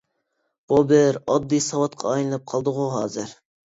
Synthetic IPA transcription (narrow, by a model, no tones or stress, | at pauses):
b̥ubɪɾɑd̪ːijsɑwɑt̪qʰɑ̰ːjlˠɨnɨp̚qʰɑlˠd̪əʁuɦɑːzɨɾ